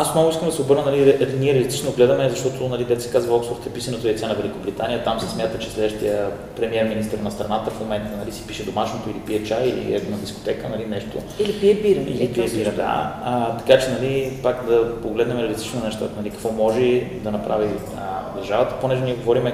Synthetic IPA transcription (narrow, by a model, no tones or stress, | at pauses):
ast̪novʊiskəmd̪ɐsɛobɤɾnənɐliɾliniɛɾɛlit̪i̥t͡ʃnoɡlɛd̪əmɛzɐʃt̪ɔt̪ʰonɐlid̪ɛt̪sɛ̥kazvɐɔksfoɾt̪ɛpisɐnɛt̪oɛt̪sɛnɐvɛlikobɾit̪aniət̪amsɛ̥smʲjat̪ət͡ʃɛslɛd̪əʃt̪iə | pɾɛmiɛɾminist̪əɾnɐst̪ɾɐnat̪əfmomɛnt̪ənɐlisi̥piʃɛd̪omaʃnot̪oilipiɛt͡ʃailḭɛ̰knɐd̪isko̥t̪ɛkənɐlinɛʃt̪o̰ilipiɛbiɾḭlipiɛbiɾɐd̪a̰t̪ɐ̥kat͡ʃɛnɐlipakd̪ɐpoɡlɛd̪nɛmɛɾɛlɛt̪i̥t͡ʃnnɛʃt̪a̰t̪ənɐlikɐ̥kvɔmɔʒɛd̪ɐnɐpɾʔavi | d̪ɐɾʒavət̪ə̥ponɛʒɛniɛɡovɔɾimɛ